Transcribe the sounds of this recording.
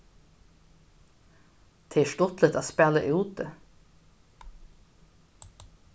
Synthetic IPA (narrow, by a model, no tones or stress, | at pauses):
t̪ʰeːæʃʈɔt̪lət̪aːspæːlə̰ʔʉːt̪̚ə